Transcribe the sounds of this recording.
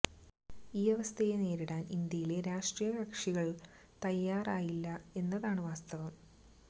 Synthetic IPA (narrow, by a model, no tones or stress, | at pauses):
iːɐʋɐst̪ʰɐjene̞ːɾiɽaːnind̪jɐjile̞ɾaːʂʈrijɐbɐkʂiɣɐɭ | t̪ɐjːaːraːjilːɐe̞nːɐðaːɳɨʋaːst̪ɐʋɐm